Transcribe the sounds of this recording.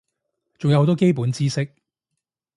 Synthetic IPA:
t͡sʊ˨ŋjɐ˦who˧˥t̪ɔː˥ke˥jp̬uː˨˥nt͡siː˥sɪ˥k̚

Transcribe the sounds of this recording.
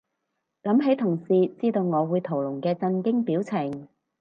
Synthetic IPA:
lɐ˨˥mɦe˨˥jt̪ʰʊ˨˩ŋsiː˨t͡siː˥t̪o˧wŋɔː˨˧wuː˨˧jt̪ʰo˨˩wlʊ˨˩ŋkɛː˧t͡sɐ˧nkɪ˥ŋpiː˨˥wt͡sʰɪ˨˩ŋ

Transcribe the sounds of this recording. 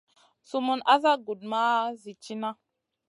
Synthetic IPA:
su˦mu˦na˦za˦ɡu˨d̚ma˦zi˨t͡ʃi˦na˦

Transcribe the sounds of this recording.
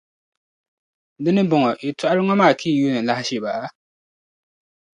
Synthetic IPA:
dɨ˦nɨ˦bɔ˨ŋɔ˨ʔi˨tʊ˦ʔa˦ɾɨ˦ŋɔ˦maː˦˨kʰiː˦˨ju˦nɨ˨la˦hɪ˦ʃɛ˨ba˨ʔa˦

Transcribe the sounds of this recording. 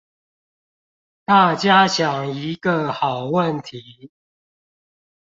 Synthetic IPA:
t̪a˥˨t͡ɕja˦ɕjɑ˨˩ŋi˨˦ɡə˨xɑ˨˩ʊwə˥˨nt̪ʰi˨˦

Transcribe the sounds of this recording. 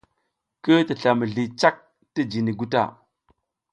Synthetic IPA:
kə˦ti˨ɬa˨mə˨ɮi˨t͡ʃa˦k̚ | ti˦d͡ʒi˨ni˨ɡu˦ta̰˦˨

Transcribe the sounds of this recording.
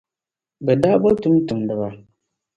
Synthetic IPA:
bɛ˨daː˦bɔ˦tʊ˦m˦tʊ˨mdɨ˨ba˦

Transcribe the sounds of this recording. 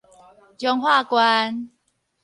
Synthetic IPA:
t͡ɕjɔ˧ŋhwa˥˨kwa˧n

